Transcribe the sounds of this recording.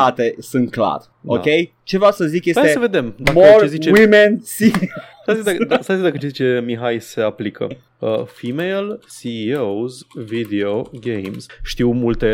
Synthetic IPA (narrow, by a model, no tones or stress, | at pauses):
at̪esɨnt̪̚kla̰r | okej | t͡ʃe̞vasəzikje̞sajat̪esəved̪emd̪amorezit͡ʃewimensisazizd̪ad̪asazizd̪akət͡ʃezit͡ʃe̞miɦajse̞aplikʰə̰ | əfimejlsiowzvid̪eoɡejmz̥ʃt̪iwmult̪e